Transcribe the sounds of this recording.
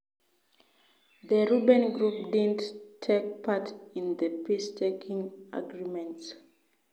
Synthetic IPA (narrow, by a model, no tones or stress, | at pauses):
ðəɹubɛ̃nɡɹupdidn̩tʰek̚pʰatĩnðəpistʰekʰĩŋa̰ɡɹimɛ̃nts